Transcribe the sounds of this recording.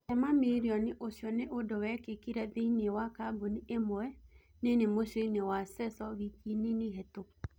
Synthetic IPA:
ɛmameɾiɔniʔoʃjɔneʔodɔwɛkekiɾɛðeinewakaboniʔemɔɛ | nenemoʃenewasɛsɔwikininiɦɛto

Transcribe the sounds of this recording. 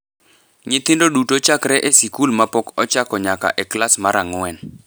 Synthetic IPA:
ɲɪt̪ɪndodutot͡ʃakɾɛʔesikulmapɔkɔt͡ʃakɔɲaka̰ʔɛklasmaɾaŋwɛn

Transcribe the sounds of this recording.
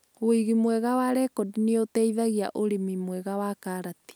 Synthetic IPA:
oiɣimwɛɣawaɾɛkɔdineotɛiðaɣia̰ʔoɾemimwɛɣawakaːɾati̥

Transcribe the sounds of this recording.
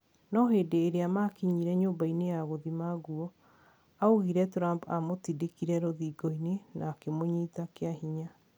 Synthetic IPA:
nɔɦeːdeːɾeamakiɲiɾɛɲoːbainejaɣoðimaɣuɔ | aoɣiɾɛtoɾampa̰motidekiɾɛɾoðiɡɔinenaːkemoɲiːtakeaɦiɲa

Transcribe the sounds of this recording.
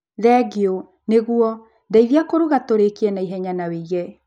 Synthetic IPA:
ðɛɡio | neɣuɔ | ndaiðiakoɾuɣatoɾekiɛnaiɦɛɲanaweiɣɛ

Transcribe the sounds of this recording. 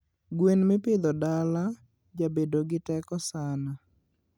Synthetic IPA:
ɡwenmɪpɪd̪ɔdala | d͡ʒabedoɡɪtɛkɔsana

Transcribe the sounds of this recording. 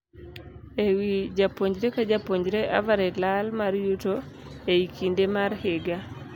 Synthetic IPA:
ewid͡ʒapoɲd͡ʒɾekad͡ʒapoɲd͡ʒɾeʔa̰vaɾelalmaɾjuto | eikʰindemaɾheɡa

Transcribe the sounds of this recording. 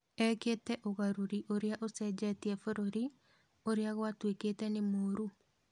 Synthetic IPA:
ɛkeːtɛʔoɣaɾuɾiʔoɾeaʔosɛd͡ʑɛtiɛfoɾoɾi | oɾeaɣwatweketɛnemoːɾu

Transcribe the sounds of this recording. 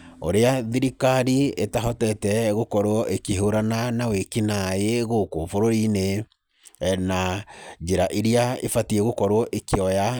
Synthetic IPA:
o̰ɾeaðiɾikaɾietaɦɔtɛtɛɣokɔɾwɔʔekeɦoɾananawekinaeɣokofoɾoɾine | nad͡ʒeɾaʔeɾiaefatiɛɣokɔɾwɔʔekeɔja

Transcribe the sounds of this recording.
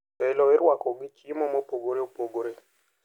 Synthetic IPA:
ɛlɔɪɾwakɔɡɪkimɔmɔpoɡoɾeopoɡoɾe

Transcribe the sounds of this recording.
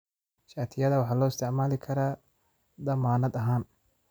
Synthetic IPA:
ʃaːt̪ʰɪjɐðɐwɑħɑːlɔːɪst̪ʰɛʕmaːlɪkʰɐɾaː | d̪ɐmaːnɐd̪ɐɦaːn

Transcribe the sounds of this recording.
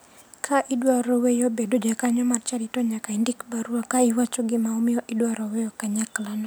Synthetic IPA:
kʰaʔidwaɾɔwejɔbedod͡ʒakaɲɔmart͡ʃaɾitɔɲakaindikbaɾuakaiwat͡ʃɔɡɪmaumɪɔʔidwaɾɔwɛjɔkaɲaklanɔ

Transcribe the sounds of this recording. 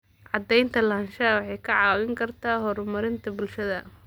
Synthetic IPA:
ʕɑd̪ɛjnt̪ʰɐlɐnʃɐwɑħɑjkʰɐʕɑːwɪŋkʰɐrt̪ʰaːɦɔɾmɐɾɪnt̪ʰɐbʊlʃɐðɐ

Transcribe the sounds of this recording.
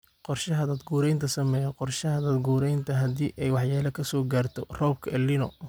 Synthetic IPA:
qɔrʃɐɦɐd̪ɐːd̪ɡuːɾɛjnt̪ʰɐsɐmɛːjɔqɔrʃɐhɐd̪aːd̪ɡuːɾɛjnt̪ʰɐɦɐd̪iːʔɛjwɑħjaːlɐkʰɐsɔːɡaːrt̪ʰɔ̰rɔːb̚kʰɐɛːlɪnɔ̰

